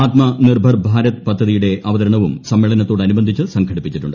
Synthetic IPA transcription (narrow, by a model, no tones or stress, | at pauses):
aːt̪mɐnirbʱɐrbʱaːɾɐt̪ɨpɐd̪ʱːɐðijuɽe̞ʔɐʋɐðɐɾɐɳɐʋumsɐmːeɭɐnɐt̪ːo̞ːɽɐnubɐnd̪ʱit͡ɕːɨsɐŋɡʰʱɐɽipːit͡ɕːiʈːṵɳɖɨ